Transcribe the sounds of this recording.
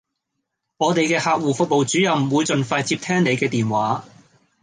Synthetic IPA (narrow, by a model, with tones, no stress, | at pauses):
ŋɔː˨˧t̪e˨jkɛː˧haː˧k̚wuː˨˩fʊ˨k̚mo˨wt͡syː˨˥jɐ˨wm˨wuː˨˧jt͡sɵ˨nfaː˧jt͡siː˧p̚t̪ʰɛː˥ŋne˨˧jkɛː˧t̪iː˨nwaː˨˥